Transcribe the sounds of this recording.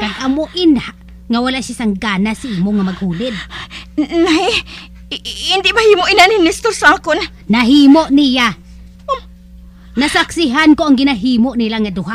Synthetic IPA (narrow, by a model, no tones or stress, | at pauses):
kanʔamoʔinaʔ | ŋawalaʔʃasaŋɡanasaʔimoŋamaɡhuːlɪd̪̚ | nai | nd̪ɪʔbahimoʔinaninist̪oɾsakon | naɦiːmoʔnija | nasaksiɦankoaŋɡɪnaɦimoʔnilaŋad̪ʊɦa